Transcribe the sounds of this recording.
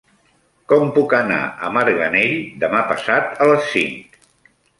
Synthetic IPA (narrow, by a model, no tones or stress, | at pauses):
kɔmpukəna̰əmaɾɣəneʎd̪əmapə̰sat̪ələsːiŋk